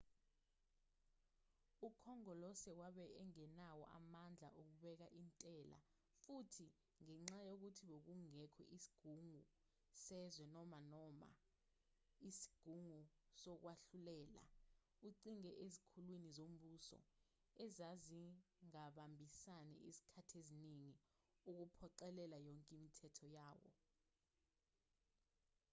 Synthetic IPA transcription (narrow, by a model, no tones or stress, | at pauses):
ukʰɔŋɔlɔsɛwaɓɛɛŋɛnawɔ̰ʔa̰mand͡ɮʱa̰ʔok̬uɓɛk̬aʔintʼɛla̰ | futʰi | ŋɛŋ͡ǁajok̬utʰiɓok̬uŋɛkʰɔ̰ʔisi̥ɡ̥ʱuŋu | sɛzwɛnɔmanɔma̰ | isi̥ɡ̥ʱuŋusɔk̬waɬulɛːla̰ | uǀiŋɛʔezikʰulwinizom̩ɓusɔ̰ | ɛzaziŋaɓambʱisanɛ̰ʔisi̥kʰatʰeziniŋi | uk̬upʰɔǃɛlɛlajɔŋkʼimitʰɛtʰɔjaːwɔ̰